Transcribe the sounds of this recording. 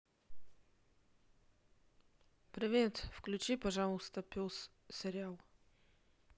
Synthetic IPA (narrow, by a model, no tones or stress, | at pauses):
pɾʲɪvʲet̪fklʲʉt͡ɕipɐʐalˠəst̪əpʲos | sʲɪɾʲɪalˠ